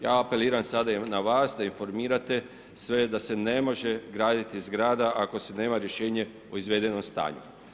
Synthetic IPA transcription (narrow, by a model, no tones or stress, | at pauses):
jaːape̞liːɾansad̪anaʋaːsd̪ainfo̞ɾmiːɾat̪e̞ | sʋe̞d̪ase̞ne̞mo̞ʒeɡɾaːd̪it̪izɡɾaːd̪aʔako̞sene̞ːmaɾje̞ʃe̞ːɲe̞ | oizʋeːd̪e̞nomst̪a̰ːɲṵ